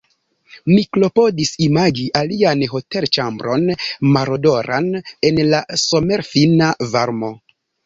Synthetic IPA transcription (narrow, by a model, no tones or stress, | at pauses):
miklo̞po̞disimad͡ʒiʔalianɦo̞te̞lt͡ʃambɾo̞nmaɾodo̞ɾane̞nlaso̞me̞ɾfinavaɾmo̞